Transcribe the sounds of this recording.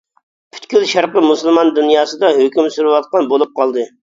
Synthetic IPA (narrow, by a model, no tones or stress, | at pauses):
pʰy̥t̪kʲylʃɑɾqəmusɨlˠmɑnd̪unjɑːsɨd̪ɑɦøkʲymsuɾuwɑt̪̚qɑnbolˠup̚qʰɑlˠd̪ɨ